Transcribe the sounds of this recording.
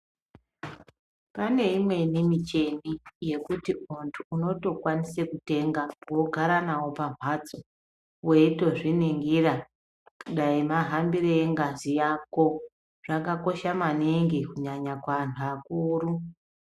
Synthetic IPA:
pane̞imwe̞nimit͡ʃe̞nije̞kutiuntʰuːno̞to̞kwanisekute̞ŋɡawo̞ɡʱaɾanawo̞paɱ̤wad͡zo | we̞ito̞ʐineŋɡira | kuɗaimaɦambiɾeeŋɡazijako̞ | ʐ̥akako̞ʃamaneŋɡikuɲaɲakwaantʰuakuːru

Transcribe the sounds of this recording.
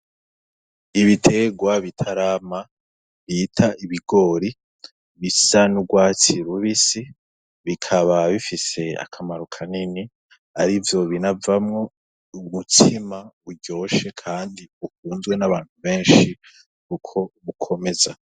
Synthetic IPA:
iβitʰe̞ɡwaβitʰaɾaːma | βitʰaʔiβiɡo̞ːɾi | βisanuɡwaːt͡siɾuβisi | βikʰaβaβifise̞a̰kʰamaɾokʰanini | aɾivjo̞βinavamŋo̞ | umutʰimauɟo̞ːʃe̞kʰaːndiukuːnzɡwe̞naβaːn̥huβe̞ːnʃi | kukʰo̞βukʰo̞me̞za

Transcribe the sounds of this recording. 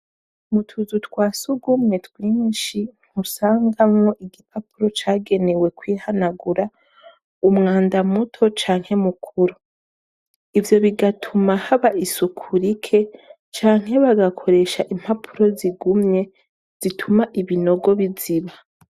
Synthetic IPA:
mutʰuzutwaːsuɡumɲe̞twiːnʃiŋ̥husaːŋɡamŋo̞ʔiɡipʰapuɾo̞t͡ʃaːɡe̞ne̞we̞kwiːhanaɡuɾa | umŋaːndamutʰo̞t͡ʃaːŋ̥he̞mukʰuɾu | ivjo̞βiɡatʰumahaβaʔisukʰuɾikʰe̞ | t͡ʃaːŋ̥ɦe̞βaɡakʰo̞ɾe̞ʃaʔim̥hapʰu̥ɾo̞ziɡumɲe̞ | z̥itʰumaʔiβino̞ɡo̞βiziβa

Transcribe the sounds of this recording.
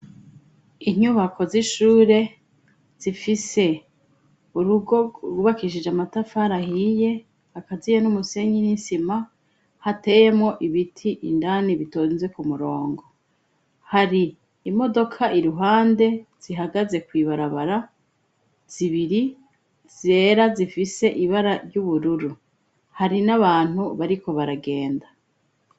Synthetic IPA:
iɲuβakʰo̞ziʃuːɾe̞ | z̥ifise̞ | uɾuɡo̞ɡuβakiʃid͡ʒamatafaɾahije̞ | hakazijenumuse̞ɲinisima | hate̞je̞mŋo̞ʔiβitʰiʔḭndaːniβitonze̞kumuɾo̞ːŋɡo̞ | haɾiː | mo̞do̞kʰaʔiɾuɦaːnde̞z̥iɦaɡaze̞kwiːβaɾaβaɾa | z̥iβiɾi | ze̞ːɾazifise̞ʔiβaɾaɾɟuβuɾuɾu | haɾinaβaːn̥huβaɾiko̞βaɾaɡe̞ːnda

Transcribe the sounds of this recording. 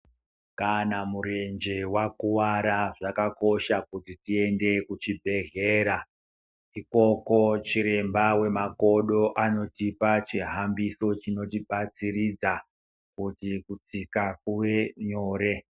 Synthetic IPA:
kanamuɾe̞nd͡ʒewakuwaɾaʐakako̞ʃakutitie̞nde̞kut͡ʃibʱe̞ɮe̞ːɾa | iko̞ko̞t͡ʃiɾe̞mbawe̞mako̞ɗo̞ʔano̞tipat͡ʃiɦambiso̞t͡ʃino̞tiɓat͡sirid͡za | kutikut͡sikak̚uwe̞ɲoːɾe̞

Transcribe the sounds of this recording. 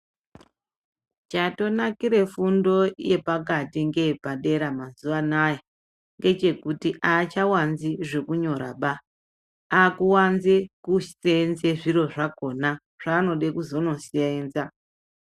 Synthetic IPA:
t͡ʃato̞nakiɾe̞fundo̞je̞pakatiŋɡe̞paɗe̞ɾamazuʋanaje | ŋɡe̞t͡ʃe̞kutiʔat͡ʃawanziʐe̞kuɲo̞ɾa̰ɓa | akuwanzekusenzeʐiro̞ʐako̞na | ʐ̥aːno̞ɗekuzo̞no̞sieːnza

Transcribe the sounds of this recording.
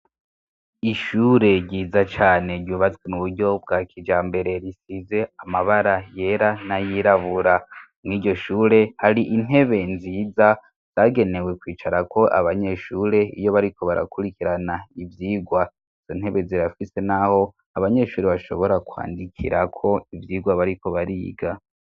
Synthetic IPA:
iʃuɾe̞ɾɟiːzat͡ʃaːne̞ɾɟuβat͡sɡwemuβudɟo̞bɡaːkʰid͡ʒaːmbe̞ɾe̞ɾisize̞amaβaɾajeɾanajiɾaβuɾa | mŋiːɟo̞ʃuːɾe̞haɾiʔin̥he̞βe̞nziːza | z̥aːɡe̞ne̞we̞kwiːt͡ʃaɾakʰo̞ʔa̰βaɲe̞ʃuːɾe̞ḭjo̞βaɾikʰo̞βaɾa̰kuɾikiɾanaivjiːɡwa | iz̥o̞n̥he̞βe̞ziɾafise̞naho̞ | aβaɲe̞ʃuːɾeβaʃo̞βo̞ɾakwa̰ːndikʰḭɾʔakʰo̞ivjiːɡwaβaɾiko̞βaɾḭɡa

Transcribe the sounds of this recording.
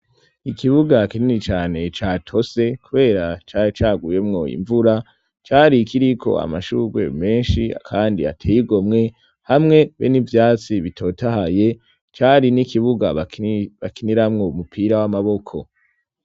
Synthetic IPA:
ikʰiβuɡakininit͡ʃaːne̞t͡ʃaːtʰo̞se̞kuβe̞ːɾat͡ʃat͡ʃaːɡuje̞mŋo̞ḭɱvuɾa | t͡ʃaːɾikʰiɾikʰo̞̰a̰maʃuːɡwe̞̰me̞ːnʃia̰kʰaːndḭa̰tʰejiɡo̞mŋe̞ | hamŋe̞βḛnivjaːt͡siβitʰo̞tʰahaje̞ | t͡ʃaɾinikiβuɡaβakiniɾamŋo̞umupʰiːɾawamaβo̞kʰo̞

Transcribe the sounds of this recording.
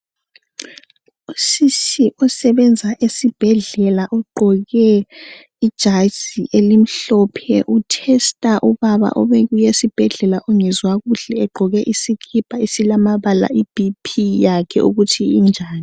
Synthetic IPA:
usiʃiʔɔsɛβɛnd͡zʱaʔesib̥ʱɛɮɛlaʔɔɡ͡ǃʱɔɣɛ | id̥ʒ̥ʱasiʔelim̩ɬɔpʰɛʔutʰɛstʼaʔuβaβa̰ʔɔβɛɣujesib̥ʱɛɮɛlaʔɔŋɛzwaɣuɬɛːɡ͡ǃʱɔɣɛʔisikʰib̥ʱaisilamaβala̰ʔib̥ipʰijakʰɛ̰ʔṵɣutʰiind͡ʒʱaːni

